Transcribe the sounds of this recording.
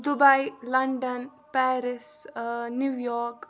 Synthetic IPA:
d̪ʊbɐjlɐɳɖən | pɛːɾɪsnjuʋjɔːɾk

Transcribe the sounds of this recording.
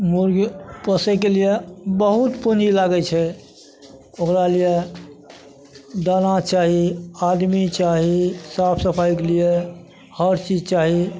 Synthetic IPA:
muɾɡpəsekeliebəɦut̪punilaɡɛt͡ʃʰɛ | okɾalije | d̪anat͡ʃaɦiad̪mit͡ʃaɦisapʰsəpʰajkelie | həɾt͡ʃid͡ʒt͡ʃaɦi

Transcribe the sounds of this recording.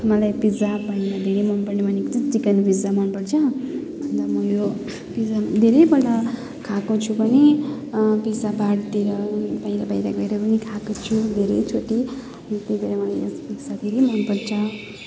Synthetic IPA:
mʌlajpid͡zapaĩlad̪ʱeɾejmʌnpʌrnemʌnekt͡sʌt͡sikʌnpid͡zamʌnpʌrt͡sʰʌʌnt̪ʌmʌjo | pisad̪ʱeɾʌjbʌʈa | kʰakot͡sʰubʱʌne | pisabaɽt̪iɾʌpaĩlabajɾaɡʌeɾʌpʌnikʰakot͡sʰud̪ʱeɾʌjt͡sʰoʈi | t̪ed̪iɾamʌlajspisad̪ʱeɾejmʌnpʌrt͡sʰʌ

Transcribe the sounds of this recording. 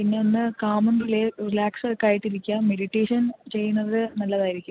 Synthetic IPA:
pinːeonːɨkaːmɐndilerilaːksɐkːaːjiʈːiɾikʲːaːmmeɽiʈːeːʂɐnt͡ɕe̞jːunːɐðɨnɐlːɐðaːjiɾikʲːum

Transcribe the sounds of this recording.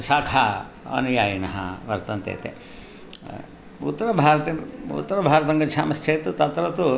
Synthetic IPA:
saːkʰa | ɐ̰nujaːjɐnɐɦɐ̰ʋɐɾt̪ɐnt̪ḛːt̪ḛː | ṵt̪ːɐɾɐbʱaːɾɐt̪eṵt̪ːɐɾɐbʱaːɾɐt̪ɐŋɡɐt͡ʃʰʃʰaːmɐst͡ʃʰeːt̪ut̪ɐt̪ɾɐt̪u

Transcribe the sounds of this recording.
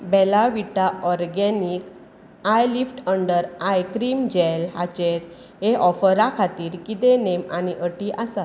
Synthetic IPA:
bɛlaʋiʈaɔɾɡɛnik | ajlifʈəɳɖəɾajkɾiːmd͡ʑɛlɦat͡ɕeɾ | ɦeʔɔfəɾakʰat̪iːɾkit̪enemañiʔəʈiʔasat̪

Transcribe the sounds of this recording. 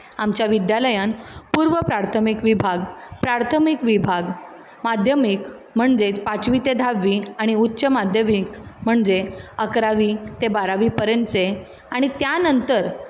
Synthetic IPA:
amt͡ɕjaʋid̪jaləjanpuɾʋəpɾaɾt̪ʰəmikʋibʱaɡpɾaɾt̪ʰəmikʋibʱaɡ | mad̪ʱjəmik | m̤əɳd͡zet͡spat͡sʋit̪ed̪ʱaʋːiaɽ̃iutːɕəmad̪ʱjəmikm̤əɳd͡zeəkɾaʋit̪ebaɾaʋipəɾjənt͡se | aɽ̃it̪janənt̪əɾ

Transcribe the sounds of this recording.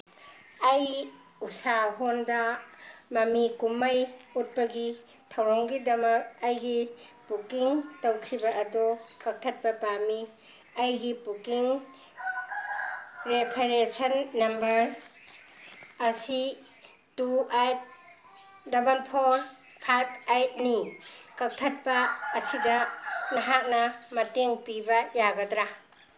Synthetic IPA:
aj | usaɦondamɐmikumajut̚pɐɡi | tʰawɾaŋɡidɐmɐk̚ɐjɡipukiŋtowkʰibɐʔɐdɔkak̚tʰɐt̚pɐpami | ɐjɡipukiŋ | ɾepʰeɾesɐnːɐmbɐɾ | ɐsi | tuajt̚ | dɐbɐnpʰoɾ | pʰajp̚ʰajt̚nikɐk̚tʰɐt̚pɐːsidɐnɐɦat̚nɐmɐteŋpibɐjaɡɐdɾa

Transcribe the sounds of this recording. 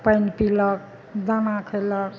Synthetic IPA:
pəjnpilək | d̪anakʰələk

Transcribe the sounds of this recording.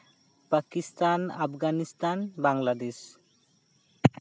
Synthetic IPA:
pakist̪ana̰pʰɡanist̪anbaŋlad̪es

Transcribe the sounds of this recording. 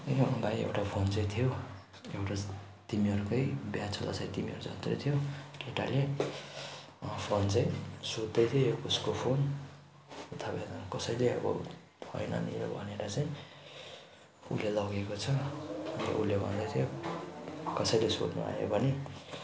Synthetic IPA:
ejoʌɡaj̃ḛwʈapʰont͡sãj̃t̪ʰijo | ewʈa | t̪imiʌɾukʌjbjat͡sʰola̰t͡saj̃t̪imiʌɾut͡sʌ̰t̪rʌ̰jt̪ʰijokeʈa̰le | pʰont͡sãĩsod̪d̪ʌjt̪ʰiouskopʰon | t̪ʰʌpajkʌsʌjleʌ̰bʌ̰ | ʌ̰jnʌ̰nḭɾo̰bʱʌneɾat͡saj̃ | ṵlːelʌɡekot͡sʰʌʌnt̪ʌ̰ʔulːebʱʌ̰nd̪ʌjt̪ʰijo | kʌsʌjleso̰d̪nṵa̰ɦo̰bʌni

